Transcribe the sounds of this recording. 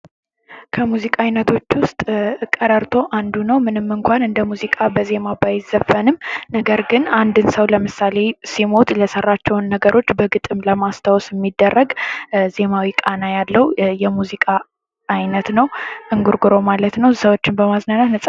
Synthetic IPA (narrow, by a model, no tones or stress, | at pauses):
kʰəmuzikʼaajnət̪ʰo̞t͡ʃːwʊst̪ʼɨkʼːəɾəɾt̪ʰo̞ʔand̪unəwmɨnɨmːɨŋkʷʰanɨnd̪əmuzikʼabəze̞mabajɪzəfːənɨmnəɡəɾɡɨnand̪ɨnsəwləmɨsale̞simo̞t̪ʼləsərːat͡ʃːɛwnːəɡəɾʔo̞t͡ʃːbəɡɨt̪ʼɨmləmast̪ʰawsɪmːid̪ːərːəɡze̞mawikʼanajalːəwjɛmuzikʼaː | jnət̪nəwʔɨŋɡuɾɡɾo̞malət̪nəwsəwot͡ʃːɪnbəmaznanat̪nəsʼa